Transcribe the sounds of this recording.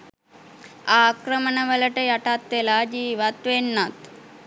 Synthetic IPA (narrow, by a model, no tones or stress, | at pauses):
aːkɾəmənəʋələʈəjaʈat̪ʋelaːd͡ʒiːʋat̪ʋenːat̪